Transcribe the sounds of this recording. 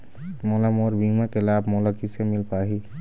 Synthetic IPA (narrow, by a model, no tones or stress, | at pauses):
mɔlamoɾbʱimakelaːbʱmɔlakisemilpaɦi